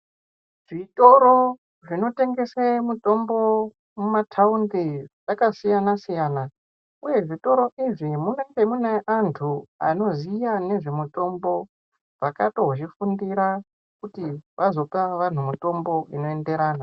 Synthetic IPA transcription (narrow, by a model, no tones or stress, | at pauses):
ʐ̥ito̞ɾo̞ | ʐino̞te̞ŋɡe̞semuto̞mbo̞ | mumatʰaundiʐakasijanasijaːna | uje̞ʐito̞ɾo̞ʔiʐimuneŋɡemuneʔantʰua̰no̞zijane̞ʐe̞muto̞mbo̞ | ʐakato̞ʐifundiɾa | kutiʋazo̞paʋan̤umuto̞mbo̞ino̞e̞nde̞ɾaːna